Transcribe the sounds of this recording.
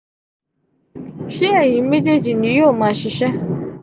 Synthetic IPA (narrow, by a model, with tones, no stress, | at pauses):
ʃi˦e˨ɲi˨m̩˦me˦d͡ʒe˦d͡ʒi˨ni˨˦jo˦˨ma˨ʃi˨ʃɛ˦